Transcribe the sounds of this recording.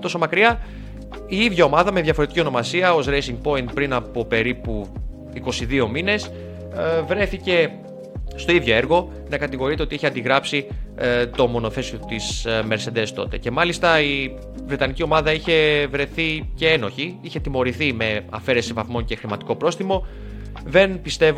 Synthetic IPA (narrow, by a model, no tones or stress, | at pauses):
t̪o̞so̞mɐkɾiɐ | iiðʝɐo̞mɐðɐme̞ðʝɐfo̞ɾe̞t̪iciono̞mɐsiɐo̞zɾejsiŋɡ̚po̞int̪̚pɾinɐpo̞pe̞ɾipu | iko̞siðio̞mine̞s | vɾe̞θice̞ | st̪o̞iðʝo̞e̞ɾɣo̞ | nɐkɐt̪iɣo̞ɾit̪e̞ot̪ieçiɐnd̪iɣɾɐpsit̪o̞mo̞no̞θe̞siot̪isme̞ɾse̞nd̪e̞st̪o̞̰t̪e̞̰ce̞mɐlist̪ɐi | vɾe̞t̪ɐnicio̞mɐðɐiçe̞vɾe̞θice̞eno̞çiiçe̞t̪imo̞ɾiθime̞ɐ̰fe̞ɾe̞sivɐθmo̞ɲce̞xɾimɐt̪i̥ko̞pɾo̞sθimo̞ | ðe̞npist̪e̞v